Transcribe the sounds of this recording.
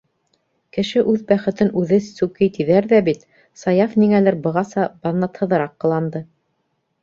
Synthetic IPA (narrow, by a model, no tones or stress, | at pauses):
kɘ̆ʃɘʔʉðbæχɘ̆t̪ɘnʔʉðɘsʉkɘjt̪iðæɾðæbit̪ | sɑjɑfniŋælɘɾbɤ̆ʁɑsɑb̥ɑðnɑt̪hɤ̆ðɤ̆ɾɑqːɤ̆lˠɑnd̪ɤ